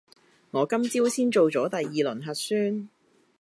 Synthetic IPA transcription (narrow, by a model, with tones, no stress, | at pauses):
ŋɔː˨˧kɐ˥mt͡siː˥wsiː˥nt͡ʃo˨wt͡ʃɔː˨˥t̪ɐ˨jːiː˨lɵ˨˩nɦɐ˨t̚syː˥n